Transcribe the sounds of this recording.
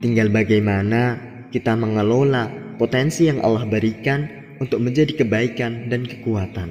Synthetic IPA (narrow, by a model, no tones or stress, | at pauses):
t̪iŋɡalbaɡajmana | kit̪aməŋəlolapot̪ɛnsijaŋʔa̰lːahbəɾikan | unt̪ʊk̚məɲd͡ʒadikəbaikandankə̥kuat̪an